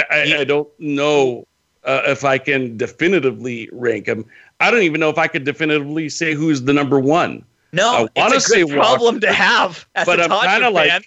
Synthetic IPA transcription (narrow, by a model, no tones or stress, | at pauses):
ʔaɪaɪdõʊ̃nːnoʊ | ʌʔɪfaɪkɨ̃ndɨfɪnɨɾɨvliɹæ̃ŋkɨ̃m | aɪɾõʊ̃ntivɨ̃noəfaɪkɨ̃ndɨfɪ̃nɨɾɨvliseɪɦuzðɨnʌ̃mbə˞wʌ̃n | noaɪwɑ̃nnɨsiɪwɹɑblə̃mtɨəv̥b̥ʌɾãɪ̃ãɪ̃ndəlaɪ